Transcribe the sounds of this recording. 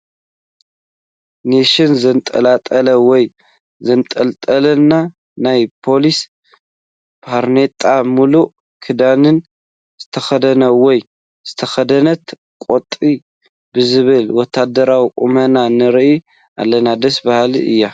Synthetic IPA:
neʃɪnzɐnt̪ʼɐ̰lat̪ʼɐlɐwɔj | zɐnt̪ʼɐlt̪ʼɐlɐnːa | najpʰo̞lis | pʰaɾnet̪ʼːamuluʔ | kʰɨd̪anɨn | z̥ɨt̪ʰɐxɐd̪ɐnɐwɔj | z̥ɨt̪ʰɐxɐd̪ɐnɐt̪ | kʼot̪ʼːi | bɨzɨβɨlwɔt̪ʰːad̪ɐɾawiʔumɐnanɨɾʔi | ʔa̰lːɐnad̪ɐsbahlḭʔɨ̰jːa

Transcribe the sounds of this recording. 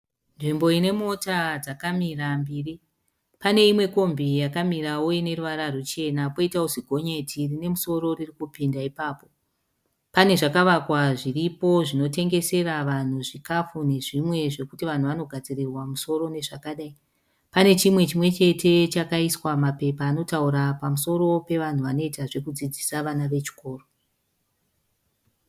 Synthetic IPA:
nʐimbo̞ine̞mo̞tad͡zakamirambiːri | pane̞imwe̞ko̞mbijakamiraoine̞ruʋaɾarut͡ʃe̞napoitauziɡʱo̞ɲetʰirine̞muso̞ɾo̞ririkupindaipaːpo̞ | pane̞ʐakaʋakwaʐiripo̞ʐino̞te̞ŋɡe̞se̞raʋan̤uʐikafune̞ʐimwe̞ʐe̞kutiʋan̤uʋano̞ɡʱad͡zirirwamuso̞ɾo̞ne̞ʐakaɗai | pane̞t͡ʃimwe̞t͡ʃimwe̞t͡ʃe̞tʰe̞t͡ʃakaiswamape̞paːno̞tauɾapamuso̞ɾo̞pe̞ʋan̤uʋano̞itaʐe̞kud͡zid͡zisaʋanaʋe̞t͡ʃi̥ko̞ːro

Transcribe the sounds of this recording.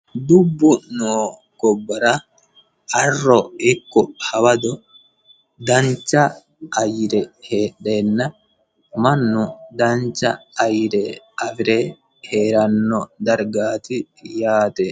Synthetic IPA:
d̪ʊbːʊnoː | ɡɔbːɐɾɐ | ɐrːɔɪkːɔhɐwɐd̪ɔ | d̪ɐnt͡ʃːɐː | jɪɾɛheːɗːeːnːɐ | mɐnːʊd̪ɐnt͡ʃːɐ̰ɐjɪɾɛʔɐfɪɾɛ | heːɾɐnːɔd̪ɐɾɡaːt̪ɪ | jaːt̪ɛ

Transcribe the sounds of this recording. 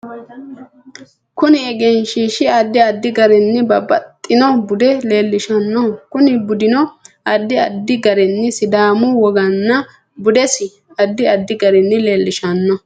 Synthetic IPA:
kʊnɪɛɡɛnʃiːʃɪɐd̪ːɪɐd̪ːɪɡɐɾɛnːɪbɐbɐt̪ʼːɪnɔbʊd̪ɛle̞ːlːɪʃɐnːɔkʊnɪbʊd̪ɪnɔʔɐd̪ːɪɐ̰d̪ːɪɡɐɾɛnːɪsɪd̪aːmʊwɔɡɐnːɐ | bʊd̪ɛsɪ | ɐd̪ːɪɐd̪ːɪɡɐɾɛnːɪle̞ːlːɪʃɐnːɔ

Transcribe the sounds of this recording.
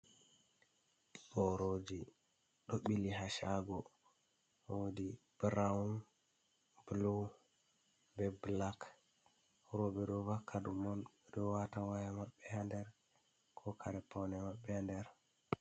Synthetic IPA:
ɓɔɾod͡ʒi | ɗɔɓilihaʃaɡɔ | wodib̥ɾaun | blo | bɛblak | ɾɔbɛɗɔvakʰːadumɔn | ɗɔwatawajamaɓːɛhandɛɾ | kʰɔkʰaɾɛpɔnɛmaɓːɛhandɛɾ

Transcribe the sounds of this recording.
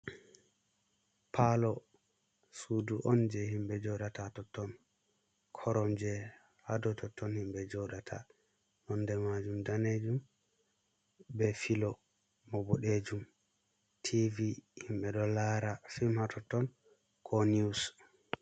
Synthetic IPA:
pʰalɔ | suduʔɔnd͡ʒɛhimɓɛd͡ʒɔɗatatɔtːɔn | kʰɔɾɔmd͡ʒɛ | hadɔtʰɔtːɔnhimɓɛd͡ʒɔɗatʰa̰ | nɔndɛmad͡ʒumdaned͡ʒum | bɛfilɔ | mɔbɔɗed͡ʒum | tʰivihimɓɛɗɔlaɾafimhatʰɔtːɔn | kʰɔnius

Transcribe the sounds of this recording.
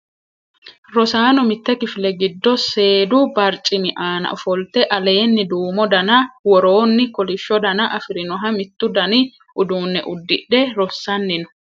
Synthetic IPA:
ɾɔsaːnɔmɪt̪ːɛkɪfɪlɛɡɪd̪ːɔse̞ːd̪ʊbɐɾt͡ʃʼɪnɪʔaːnɐ̰ʔɔfɔlt̪ɛʔɐle̞ːnːɪd̪uːmɔd̪ɐnɐwɔɾo̞ːnːɪkɔlɪʃːɔd̪ɐnɐʔɐfɪɾɪnɔɦɐmɪt̪ːʊd̪ɐnɪ | ʔʊd̪uːnːɛʔʊd̪ːɪᶑɛɾɔsːɐnːɪnʊ̥

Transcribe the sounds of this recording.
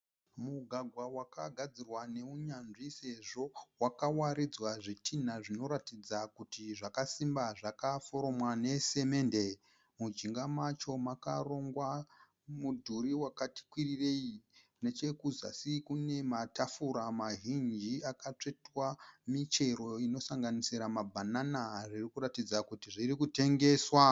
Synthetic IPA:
muɡʱaɡʱwawakaɡʱad͡zirwane̞uɲanʐise̞ʐo̞wakawaɾid͡zwaʐitʰinaʐino̞ɾatid͡zakutiʐakasimbaʐakafo̞ɾo̞mwane̞se̞me̞nde | mud͡ʒiŋɡamat͡ʃo̞makaro̞ŋɡwa | mudʱuɾiwakati̥kwirire̞ikne̞t͡ʃe̞kuza̰sikune̞matafuɾamaɦind͡ʒiakat͡ʂe̞twamit͡ʃe̞ɾo̞ino̞saŋɡanisiɾamabʱananaʐirikuɾatid͡zakutiʐirikute̞ŋɡe̞swa

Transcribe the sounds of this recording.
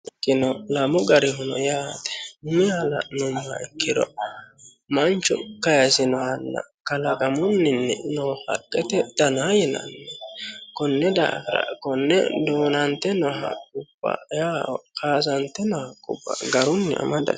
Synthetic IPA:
kːɪnɔlɐmɔɡɐɾɪɦʊnɔ̰jaːt̪ɛ̥nʊmɪalɐ̰nʊmʊhɐ̰ɪkːɪd̪ɔ̰ | mɐnt͡ʃːʊ̰kɐjɐsɪnɔhɐnːɐ̰kɐlɐkʼɐmʊnːɪnːɪnɔhɐ̰kʼːɛt̪ɛd̪̥ɐnajɪnɐ̰nːɛkɔnːɛd̪a̰ːɡɾɐ̰kɔnːɛ̰d̪oːnɐnt̪ːɛnɔɦɐ̰kʼːʊb̥ːɐ̰jaːkaːs̬ɐnt̪ːɛnɔhɐkʼʊ̰bːɐ̰ɡɐɾʊnːɪɐ̰mɐd̪ɐ̰

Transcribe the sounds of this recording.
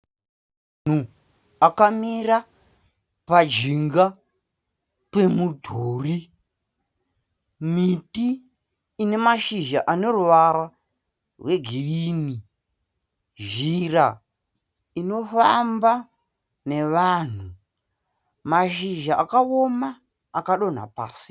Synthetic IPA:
n̤u | akamira | pad͡ʒiŋɡa | pemudʱoːri | mitiː | ne̞maʃiʒaʔano̞ruʋaɾa | rwe̞ɡʱiɗini | ʒira | ino̞famba | ne̞ʋaːn̤u | maʃiʒaʔakao̞maː | kaɗo̞n̤a̰pa̰ːsi̥

